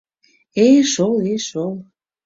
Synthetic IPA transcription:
eʃolˠeʃolˠ

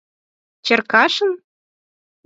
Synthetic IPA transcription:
t͡ɕɘ̆rkɑʂɤ̆n

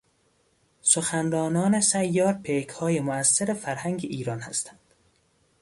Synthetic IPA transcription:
soxænɾɒːnɒːnesæjːɒːɾpʰekʰhɒːjemoæsːeɾefæɾhæŋɡeʔiːɾɒːnhæ̰st̪ʰæ̥nd̪̥

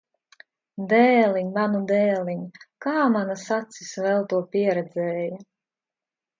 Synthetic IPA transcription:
d̪ɛːliɲmanud̪ɛːlˠiɲkaːmanasat̪sisvɛlˠt̪uɔpʲiɛɾɛd̪zɛːja

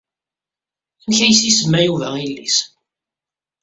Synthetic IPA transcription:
æmçæjəsisəmːæjuvæilːḭs

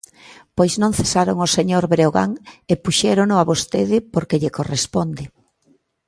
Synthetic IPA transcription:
pojznõŋθesaɾoŋoseɲoɾβɾeoɣa̰ŋepuʃɛɾonʊaβost̪eðɪpoɾkeʎekorespond̪ɪ

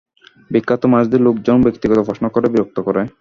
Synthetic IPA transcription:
bikːat̪omad͡ʑd̪eɾlokd͡ʑonbekt̪iɡɔt̪obʱɔʃnokɔɾebiɾok̚t̪okɔɾa

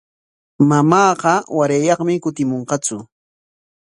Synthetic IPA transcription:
mamɑːɢɑwaɾajɑχmɪkʊt̪ɪmoɴqɑt͡sʊ

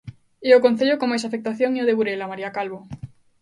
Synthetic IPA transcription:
eokonθeʎokomajs̬afek̚t̪aθjoŋioðeβuɾelamaɾiakalβo

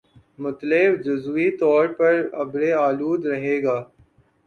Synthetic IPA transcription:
mʊt̪lebd͡ʒʊzʋit̪ɔːɾpɐɾɐ̰bɾeaːluːd̪ɾɐɦeːɡaː

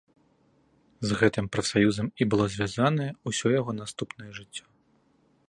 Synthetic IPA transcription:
zɣɛt̪ɨmpɾɐfsajuzɐmibɨlˠɔzʲvʲjazanɐjɛusʲɔjaɣɔnast̪upnɐjɛʐɨt͡sʲːɔ̥

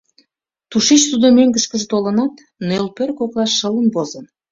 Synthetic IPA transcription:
t̪uʃet͡ɕt̪ud̪omøŋɡə̆ʃkəʒt̪olə̆nɑt̪ | nølpørkoklɑʃːələnbozən

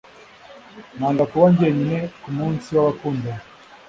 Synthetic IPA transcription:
naːŋɡakuβaɲɡieɲinekumuːnsiwaβakuːnde

